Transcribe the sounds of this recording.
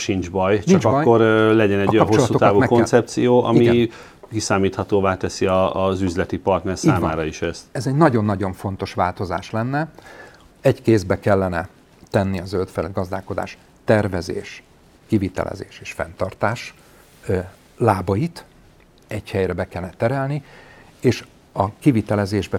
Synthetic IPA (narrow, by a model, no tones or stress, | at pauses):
ʃind͡ʒbɒjt͡ʃt͡ʃiɒd͡ʒkɒkːoɾlɛɟɛnɛɟkojɒnpt͡ʃoslɒtːuot̪aːvuɛkonsɛp̚t̪sijoːʔɒ̰mi | kisaːmiːt̪hɒt̪oːvaːt̪ɛsiɒzyzlɛt̪ipɒrt̪nɛrsiaːmaːɾɒiʃɛst̪ɛzɛɟnɒɟo̞nːɒɟo̞ɱfo̞nt̪o̞ʃʋaːlt̪o̞za̰ːʃlɛnːɛ | ɛɟkeːzbɛkɛlːɛnɛ | t̪ɛnːiɒzølt̪fɛlɛd̪ɡɒzd̪aːko̞d̪a̰ːʃ | t̪ɛrvɛzḛːʃ | kivit̪ɛ̰lʔɛ̰zḛːʃeːʃfɛ̰nt̪ɒrt̪aːʃ | laːbɒjit̪ | ɛɟhɛjrɛbɛkɛlnɛt̪ːɛɾɛlni | eːʃ | ɒkivit̪ɛlɛzeːʒbɛ